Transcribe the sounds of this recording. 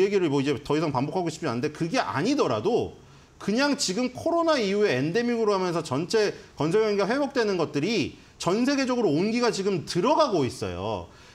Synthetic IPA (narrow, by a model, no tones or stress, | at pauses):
eɡiɾɯɭmʌid͡ʑe̞tʌisʰaŋpambokʰaɡoɕʰi̥pʰinanɯnde̞kɯɡe̞ʔa̰ɲidʌɾa̰do | kɯɲaŋt͡ɕiɡɯmkʰoɾonaijue̞ende̞miɡɯɾohamjʌns̬ʰʌt͡ɕʌnt͡ɕʰe̞kʌnsʰʌɭjʌŋɡiɡaɸwe̞bok̚t͈we̞nɯnɡʌt̚t͈ɯɾi | t͡ɕʌnsʰe̞ɡe̞d͡ʑʌɡɯɾoːnɡiɡat͡ɕiɡɯmtɯɾʌɡaɡois͈ʌ̰jo̰